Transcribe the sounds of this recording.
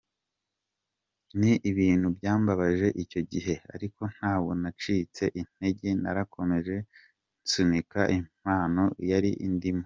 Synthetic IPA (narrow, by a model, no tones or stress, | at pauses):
niʔiβiːn̥hubɟaːmbaβaʒe̞ʔico̞ɟiɦe̞a̰ɾiko̞n̥haːwo̞nat͡ʃiːt͡se̞ʔin̥e̞ɟena̰ɾakʰo̞me̞ʒe̞ | nt͡sumikaʔimaːno̞jaɾiʔindimo